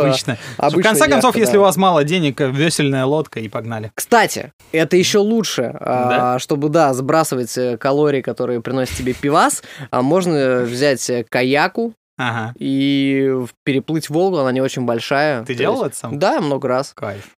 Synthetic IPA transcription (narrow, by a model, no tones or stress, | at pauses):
t͡ɕnəɐ̰bfɨkɐnɛkɐnso̞fjesslʲɪʊvasmalˠədʲenʲɪkvʲesʲɪlʲnəjəlˠo̞t̪kəipɐɡnalʲɪkst̪atʲɪ̰ | ɛt̪əjɪɕːo̞lˠutʂɨaaʂt̪o̞bɨd̪azbɾasɨvətʲəkɐlˠo̞ɾʲɪːkɐt̪o̞ɾɨjəpɾʲɪno̞sʲɪt̪tʲːɪbʲe̞pʲɪvasmo̞ʐnəvzʲætʲəkɐjakʊ | aɦai | pʲɪɾʲɪplˠɨtʲvo̞lˠkʊɐnanʲɪo̞t͡ɕɪnʲbɐlʲʂajət̪ɨdʲelˠəlˠɛt̪ə̥samd̪amno̞ɡəɾaskaj